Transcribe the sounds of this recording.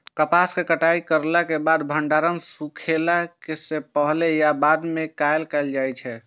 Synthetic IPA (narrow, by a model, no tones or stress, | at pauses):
kəpaskekəʈaikəɾlakebad̪bʱəɳɖaɾənsukʰelakesepəɦlejabad̪mekajlkɛld͡ʒajt͡ʃʰɛ